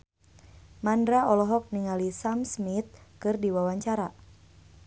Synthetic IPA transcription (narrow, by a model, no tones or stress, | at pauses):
mandɾaɔlɔɦɔk̚niŋalisamsmit̪̚kɨrdiwawaɲt͡ʃaɾa